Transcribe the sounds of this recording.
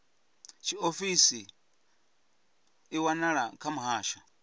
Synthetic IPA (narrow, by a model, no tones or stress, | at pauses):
t͡ʃiofisi | iwanaɺakʰamuɦaːʃa